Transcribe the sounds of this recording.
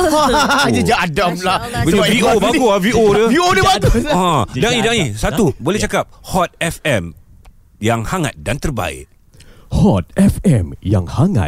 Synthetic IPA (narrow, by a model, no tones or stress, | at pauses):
d͡ʒəd͡ʒaadamlabəaviobaɡuaviodəviodəbaɡuɔdaŋidaŋisat̪ubolɛht͡ʃakap̚hɔt̪̚ɛfɛm | jaŋhaŋa̰t̪̚dant̪ərba̰ɪ̰ʔ̚ | hɔt̪̚ɛfɛmja̰ŋhaŋa̰t̪̚